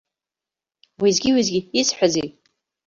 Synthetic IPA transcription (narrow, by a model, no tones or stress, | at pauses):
wizɡʲiwizɡʲiisħʷazej